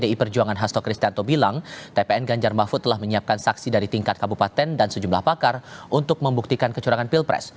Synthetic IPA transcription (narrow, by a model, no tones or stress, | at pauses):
deipərd͡ʒuaŋanɦast̪ɔkɾist̪iant̪obilaŋt̪epeɛnɡaɲd͡ʒarmafut̪ːəlahməɲiap̚kansaksidaɾit̪iŋkat̪̚kabupat̪ɛndansəd͡ʒumlahbakarʔunt̪ʊk̚məmbuk̚t̪ikankət͡ʃuɾaŋanpilpɾɛ̰s